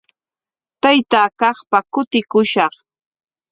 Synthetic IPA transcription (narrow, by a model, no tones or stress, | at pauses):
t̪ajt̪aːkɑχpakʊt̪ɪkʊʃɑχ